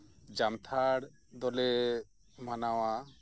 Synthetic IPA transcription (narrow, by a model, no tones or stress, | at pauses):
d͡ʒamt̪ʰaɽ | d̪ɔlɛ | manawa